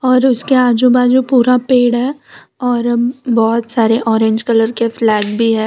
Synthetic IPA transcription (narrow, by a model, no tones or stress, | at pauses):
ɔːɾʊskeaːd͡ʒubaːd̪d͡ʒopuːɾapeːɽɦɛː | ɔːɾbɔːt̪saːɾeʔɔːɾẽːɲd͡ʒkɐləɾkeflɛːɡbʱiɦɛː